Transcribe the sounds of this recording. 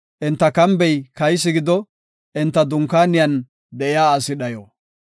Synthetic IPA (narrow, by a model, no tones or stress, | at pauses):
ʔɪnt̪ːɐkɐmbɛjkɐjs̬ːɪɡɪd̪ɔ | ɪnt̪ːɐd̪ʊŋkːaːnɪjɐn | d̪ɛʔɪjaːɐsɪɗɐjo̰ː